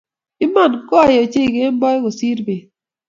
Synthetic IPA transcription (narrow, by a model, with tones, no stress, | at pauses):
ɪ˦ma˦˨nkɔ˦˨jɔ˨t͡ʃe˦˨ɡe˦mbɔ˦jko˨si˦ɾbe˨